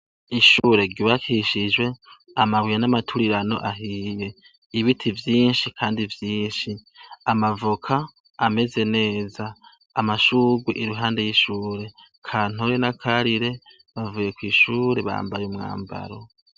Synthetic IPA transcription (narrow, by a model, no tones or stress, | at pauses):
iʃuːɾe̞ɾɟiβakʰiʃid͡ʒwe̞ | amawijanamatʰuɾiɾano̞̰ʔaɦije̞ | iβitʰivjiːnʃikʰaːndivjiːnʃiamavukʰaː | me̞ze̞ne̞ːzaː | maʃuːɡweʔiɾuɦaːnde̞jiʃuːɾe̞ | kʰaːn̥uɾenakʰaɾiɾe̞ | βavuje̞kwiʃuːɾe̞βa̰ːmbajumŋa̰ːmba̰ɾo̞